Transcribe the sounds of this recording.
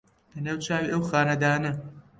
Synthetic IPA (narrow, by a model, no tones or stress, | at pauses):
lɐnaːwt͡ʃaːwiːʔɐwxaːnɐd̪aːnɐ